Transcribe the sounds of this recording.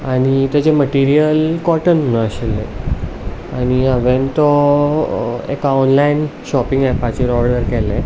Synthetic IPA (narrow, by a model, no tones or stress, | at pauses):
aɽ̃it̪jat͡ɕeməʈiɾijəlkɔʈənunaəɕelːḛ | aɽ̃iaʋẽnt̪ɔ | ḛkaɔnlainɕɔpĩŋɡɛpat͡ɕiɾɔɾɖəɾkɛle